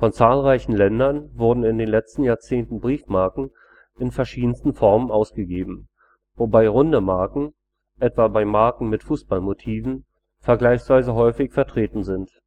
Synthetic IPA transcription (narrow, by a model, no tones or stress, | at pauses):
fɔnt͡saːlʁaɪçn̩lɛndɐnvʊɐdn̩ɪndeːnlɛt͡stn̩jaːɐt͡seːntn̩bʁiːfmaɐkŋ̩ | ʔɪnfɛɐʃiːdn̩stn̩fɔɐmənʔaʊsɡ̥əɡeːbm̩ | vobaɪʁʊndəmaɐkŋ̩ | ʔɛtv̥abaɪmaɐkŋ̩mɪtfuːsb̥almotʰiːvn̩ | fɛɐɡlaɪçsv̥aɪzəɦɔʏfɪçfɛɐtʁ̥eːtn̩zɪnt